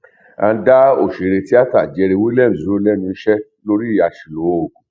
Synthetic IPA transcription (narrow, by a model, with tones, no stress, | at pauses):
ã˧da˦o̰˨ʃe˨ɾe˧ti˦a˦ta˦˨d͡ʒɛ˧ɾe˧wu˦lɛ˦˨ũ˨zu˨˦o˦lɛ˦nũ˧n̩˦ʃɛ˦ | lo˦ɾi˦˨ja˧ʃi˨lo˨˦o˨ku˨